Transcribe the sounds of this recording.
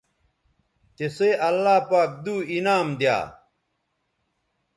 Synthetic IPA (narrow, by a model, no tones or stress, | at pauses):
t͡ɕ̪eseʔɐlːaːpaːk̚d̪uːinaːmd̪ja̰ː